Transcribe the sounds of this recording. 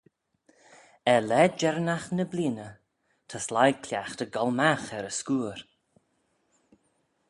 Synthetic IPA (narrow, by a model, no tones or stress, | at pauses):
ɛlɛd͡ʒɛɾənaxnəbliːnə | t̪ʰəslajkʰlʲjaxt̪əɡɔlmaxɛɾəskuːɾ